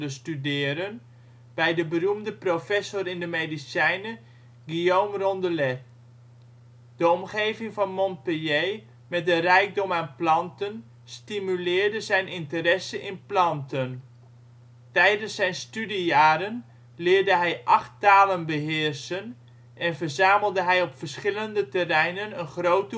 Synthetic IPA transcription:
dəstydɪːəɾən | b̥ɛjdəbərumdəprofɛsʊrɪndəmejdisɛjnə | ɡioːmrɔndəlɛt | d̥əɔmχejvɪŋvɑnmɔnpəjej | mɛt̚dərɛjɡ̚dɔmaːnplɑntən | stimylɪːɹdəzɛjnɪntəɾɛsənʔɪnplɑntən | tɛjdənsːɛjnstydijaːɾən | lɪːɹdəɦɛjʔɑχttaːlənbəɦɪːrsən | ɛnvərzaːməlˠdəɦɛjɔpfərsχɪləndətərɛjnənənχrowtə

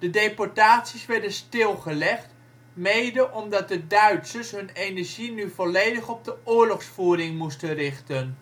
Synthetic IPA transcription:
d̥ədejpɔɹtaːtsisʋɛɹdənstɪlˠχəlɛχt | mejdəʔɔmdɑt̚dədœɥtsəsɦɵnenɛɹʒinyvɔlejdəχɔb̚dəʊːɹlɔχsfuːɾɪŋmustənrɪχtən

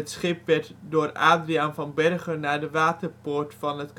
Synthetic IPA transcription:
ətsχɪp̚ʋɛtdʊːra̰ːdrianvɑnbɛrχənaːɹdəʋaːtərpoːɹtfɑnɦətk

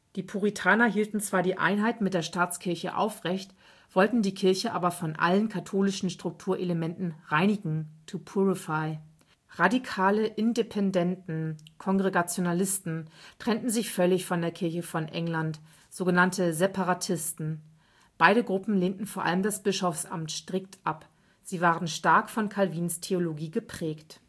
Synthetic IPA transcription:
d̥iːpʰuʁ̞itʰaːnɐɦiːltn̩t͡sv̥aːɐdiːʔa̰ɪnɦaɪtmɪt̚d̥eːɐʃtaːt͡skʰɪɐçə̰ʔa̰ʊfʁ̥ɛçt | v̥ɔltn̩diːkʰɪɐçəʔa̰ːbɐfɔnʔa̰lənkʰatʰoːlɪʃn̩ʃtʁ̥ʊk̚tʰuːɐʔeləmɛntn̩ʁaɪnɪɡŋ̩tʰupʰuʁɪfaɪ | ʁadikʰaːləʔɪndepʰɛndɛntn̩kʰɔŋɡʁeɡat͡sjonalɪstn̩tʁ̥ɛntn̩zɪçfœlɪçfɔndeːɐkʰɪɐçəfɔnʔɛŋlant | z̥oːɡənantəzepaʁatʰɪstn̩ | b̥aɪɾəɡʁʊpm̩leːntn̩foːɐʔa̰ləmdasb̥ɪʃɔfsʔa̰mtʃtʁ̥ɪktʰʔap | z̥iːvaːʁənʃtaɐkfɔnkʰalviːnstʰeoloɡiːɡəpʁ̥ɛːkt

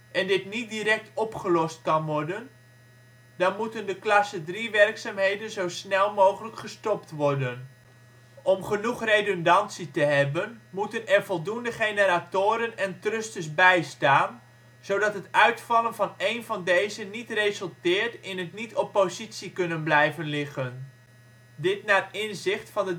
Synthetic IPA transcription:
ʔɛndɪtnit̚diɾɛk̚tʰɔpχəlɔstkɑnʋɔɹdən | dɑnmutəndəklɑsədriʋɛrksaːmɦejdənzowsnɛlˠmowχələkχəstɔptʋɔrdən | ʔɔmχənuχrejdɔndɑntsitəɦɛbənmutənɛrvɔlˠdundəχejnəɾaːtʊːɾənɛntrʏstəsbɛjstaːn | z̥owdɑtɦətœɥtfɑlˠənvɑnejnvɑndejzənitrejzəlˠtɪːɹtɪnɦətnitɔpːozitsikɵnənblɛjvənlɪχən | dɪtnaːrɪnzɪχtfɑndə

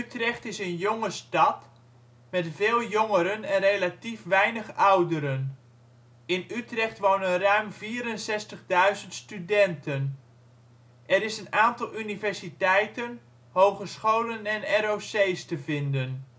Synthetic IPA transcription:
ytrɛχtɪsənjoŋəstɑt | mɛtvɪːlˠjoŋəɾənɛnrejlatifʋɛjnəχʌwdəɾən | ɪnytrɛχtʋownənrœɥmviːɾənsɛstəχdœɥzəntstydɛntʰən | ʔɛɾɪsənaːntɑlˠynivɛɹsitɛjtən | howχəsχowlənɛnɛɾowsejstəvɪndən

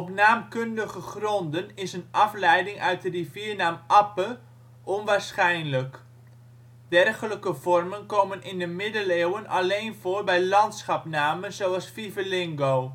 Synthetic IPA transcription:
ɔpnaːmkɵndəχəχrɔndənɪsənɑflɛjdɪŋʔœɥt̚dəriviːrnaːmʔɑpə | ʔɔnʋaːɹsχɛjnlək | d̥ɛrχələkəv̥ɔrmənkoːmənɪndəmɪdəleːwənɑ̰lejnvoːrbɛjlɑntsχɑpnaːmənzowɑsfivəlɪŋɡow

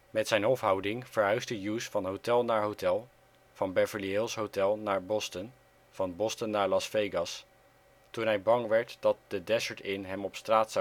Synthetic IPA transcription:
mɛtsɛjnɦɔfɦɑwdɪŋv̥əɹɦœɥzdəjusfɑnɦowtɛlˠnaːɹɦowtɛlˠ | v̥ɑnbɛɹvəliɪlˠsɦowtɛlˠnaːɹbɔstən | v̥ɑnbɔstənːaːɹlɑsfejɡɑs | tunɦɛjbɑŋʋɛɹtd̥ɑt̚dədɛzəɹtɪnɦɛmɔpstraːts

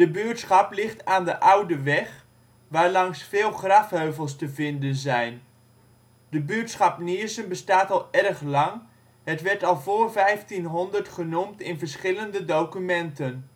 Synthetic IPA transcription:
d̥əbyːtsχɑplɪχtaːndəʔʌwdəʋɛχ | ʋaːɹlɑŋsfɪːlˠχrɑfɦøɥvəlˠs̬təvɪndənzɛjn | dəbyːtsχɑpniəɹsənbəstaːtɑlˠɛrχlɑŋ | ɦətʋɛɹtɑlˠvoːɹvɛjftinɦɔndəɹtχənumtɪnvəɹsχɪləndədowkymɛntən

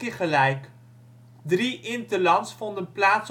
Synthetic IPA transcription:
iχəlɛjk | driʔɪntəlɑnsfɔndənplaːts

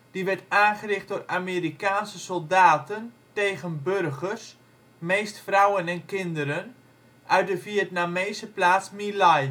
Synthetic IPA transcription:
d̥iʋɛɹtaːnχərɪχt̚dorameɾikaːnsəsɔlˠdaːtən | teːɣənbørχərs | meːstfrawənɛnkɪndəɾən | ʔœɥ̚dəfiətnameːsəplaːsmilaj

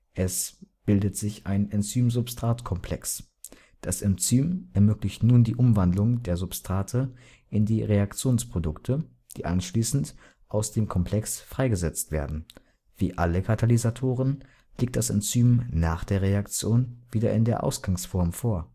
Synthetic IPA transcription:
ʔɛsb̥ɪldətz̥ɪçʔa̰ɪnɛnt͡syːmzʊpstʁ̥aːtkʰɔmpʰl̥ɛ̰ks | d̥asʔɛnt͡syːmʔɛɐmøːklɪçtnuːndiːʔʊmvandlʊŋdeːɐzʊpstʁ̥aːtʰə | ʔɪndiːʁeakt͡sjoːnspʁ̥odʊktʰə | d̥ḭːʔa̰nʃliːsn̩t | ʔaʊsd̥eːmkʰɔmpʰl̥ɛksfʁ̥aɪɡəzɛt͡stv̥ḛːɐdn̩ | v̥iːʔaləkʰatʰalizatʰoːʁən | liːk̚td̥asɛnt͡syːmnaːχd̥eːɐʁeakt͡sjoːnviːdɐ̰ʔɪ̰ndeːɐʔa̰ʊsɡ̥aŋsfɔɐmfoːɐ

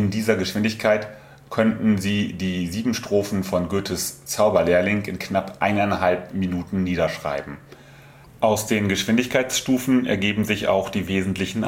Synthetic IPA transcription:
ʔɪndiːzɐɡəʃv̥ɪndɪçkʰaɪt | kʰœntn̩ziːdiːziːbm̩ʃtʁ̥oːfn̩fɔnɡøːtʰəst͡saʊbɐlɛːɐlɪŋɪnknapʔa̰ɪnaɪnɦalp̚minuːtn̩nːiːdɐʃʁ̥a̰ɪbm̩ | ʔaʊsd̥eːnɡəʃv̥ɪndɪçkʰaɪt͡sʃtuːfn̩ɛ̰ɐɡeːbm̩zɪça̰ʊxd̥iːveːzn̩tʰlɪçn̩

